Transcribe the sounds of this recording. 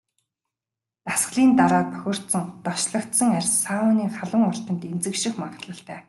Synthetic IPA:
t̪asχɮiːnt̪aɾɔːpœ̥xʲɪ̆r̥t̪sɞ̆ŋt̪ɔʃɮə̆kt̪sɞ̆ŋærʲssawʊːniːχaɮə̆ŋɔr̥t͡ɕ̪ə̆nt̪ent͡sɘ̆kʃɪ̆xmaɴɢə̆t̪ɮə̆ɬt̪æː

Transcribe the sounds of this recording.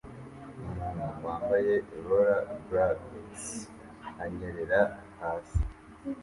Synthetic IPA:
umunuwaːmbajeɾoɾabɾades | aɲeɾeɾaahaːsi̥

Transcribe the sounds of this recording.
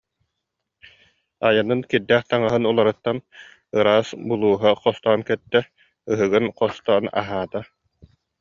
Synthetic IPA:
ajanɯnkiɾd̪ɛːχt̪aŋaɦɯnulˠaɾɯt̪ːan | ɯɾaːsbulˠuːɦaqɔst̪ɔːnkɛt̪ːɛ | ɯɦɯɡɯnqɔst̪ɔːna̰ɦaːt̪a

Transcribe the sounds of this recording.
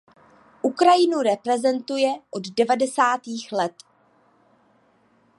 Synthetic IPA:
ʔukɾajɪnuɾɛpɾɛzɛnt̪ujɛʔo̞ddɛvadɛsaːt̪iːxlɛt̪

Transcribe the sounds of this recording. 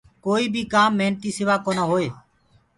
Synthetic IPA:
koːiːbʱiːkaːmːeːnt̪iːsɪʋaːkoːnaːɦoːeː

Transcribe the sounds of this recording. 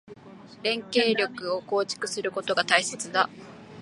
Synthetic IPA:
ɾẽ̞ŋke̞ːɾʲo̞kɯ̟o̞ko̞ːt͡ɕi̥kɯ̟sɨɾɯ̟kot̪o̞ɡat̪aise̞t͡sɨd̪a

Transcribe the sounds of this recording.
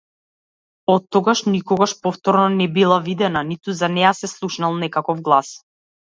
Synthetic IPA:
ɔt̪ːɔɡaʃnikɔɡaʃpɔft̪ɔɾnɔnɛbilˠavid̪ɛnanit̪uzanɛjasɛslˠuʃnalˠnɛkakɔfɡlˠas

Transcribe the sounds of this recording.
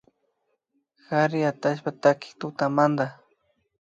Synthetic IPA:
xaɾɪat̪aʃ̬pat̪akɪ̥kt̪ʊt̪amand̪a

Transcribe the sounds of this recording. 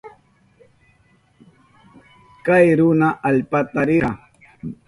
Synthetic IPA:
kajɾʊnaʔaʎpat̪aɾɪɾɑ

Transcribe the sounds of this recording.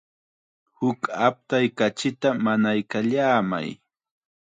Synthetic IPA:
hʊkap̚t̪ajkat͡ʃɪt̪amanajkaʎaːma̰j

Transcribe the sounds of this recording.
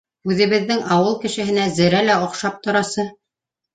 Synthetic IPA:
ʉðɘ̆βɘ̆ðːɘŋɑwɤlˠkɘ̆ʃɘ̆ɦɘ̆næzɘ̆ɾælæŏqʃɑp̚t̪ŏɾɑsɤ

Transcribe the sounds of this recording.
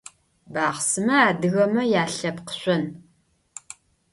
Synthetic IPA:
baːʁsɨmɐaːdɨɣɐmɐjaːɬɐpqə̥ɕʷʼɐn

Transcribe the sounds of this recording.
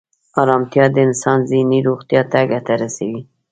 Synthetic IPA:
ɑɾɑmt̪jɑd̪əɪnsɑnziniɾoɣt̪jɑt̪aɡat̪aɾasawi

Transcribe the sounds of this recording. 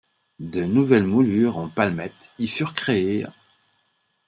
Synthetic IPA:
d̪ənuvɛlmulyʁɑ̃palmɛt̪ilfyʁkχee

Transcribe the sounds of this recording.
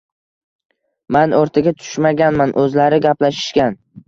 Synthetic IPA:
manoɾt̪ʰaɡʲat̪ʰʊ̥ʃmaɡʲanmanʔɵzlaɾɪɡʲaplaʃɪ̥ʃkʲan

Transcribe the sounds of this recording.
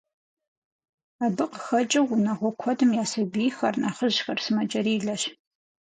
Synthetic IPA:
aːbɨqəxɐt͡ʃʼɐwʊnɐʁʷɔkʷʰɔdɨmjaːsɐbiːxɐrnʔaːχəʒxɐrsɨmɐt͡ʃʼɐɾiːɮɐɕ

